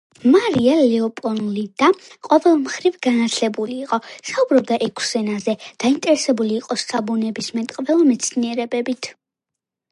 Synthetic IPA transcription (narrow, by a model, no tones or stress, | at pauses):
maɾialɛɔpʼɔnlid̪aqʼɔvɛlˠmχɾivɡanat̪ʰlɛbuliːqʼɔsaubɾɔb̚d̪aʔɛkʰsɛnazɛd̪̥aint̪ʼɛɾɛsɛbuliːqʼɔst̪ʰʼabunɛbismɛt̪ʼqʼvɛlˠɔmɛt̪sʰniɛɾɛbɛbit̪ʰ